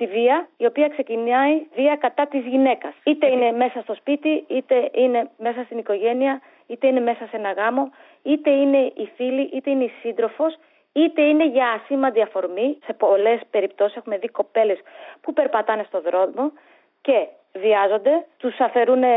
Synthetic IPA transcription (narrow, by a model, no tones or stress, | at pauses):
t̪iviɐio̞piɐkse̞cinɐiviɐkɐt̪ɐt̪izʝine̞kɐsit̪e̞ine̞me̞sɐst̪o̞spit̪iit̪e̞ine̞me̞sɐst̪iniko̞ʝe̞niɐ | it̪e̞ine̞me̞sɐse̞nɐɣɐmo̞ | it̪e̞ine̞ʔifiliʔit̪e̞ine̞isind̪ɾo̞fos | it̪e̞ine̞ʝɐːsimɐnd̪iɐfo̞ɾmise̞pole̞spe̞ɾip̚t̪o̞sise̞xume̞ðiko̞pe̞le̞spupe̞ɾpɐt̪ɐne̞st̪o̞ðɾo̞ðmo̞ | ce̞ | viɐzo̞nd̪e̞t̪usɐfe̞ɾune